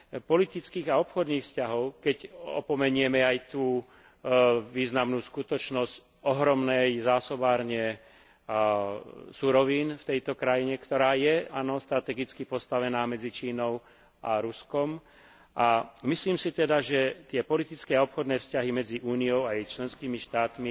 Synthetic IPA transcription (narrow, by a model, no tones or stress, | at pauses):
pɔlit̪it͡skiːɣaɔpxɔd̪niːxfscaɦɔʊkɛcɔ̰pɔmɛɲʊɛmɛajt̪uː | ʋiːznamnuːskut̪ɔt͡ʃnɔsc | ɔɦɾɔmnɛjzaːsɔbaːɾɲɪɛ | suɾɔʋiːnft̪ɛjt̪ɔkɾajiɲɛkt̪ɔɾaːjɛanɔst̪ɾat̪ɛɡit͡skipɔst̪aʋɛnaːmɛd͡zit͡ʃiːnɔʊ | ʔaɾuskɔm | ʔamisliːmsit̪ɛd̪aʒɛt̪ɪɛpɔlit̪it͡skɛːaɔpxɔd̪nɛːfscaɦimɛd͡ziʔuːnijɔʊajt͡ʃlɛnskiːmiʃt̪aːt̪mi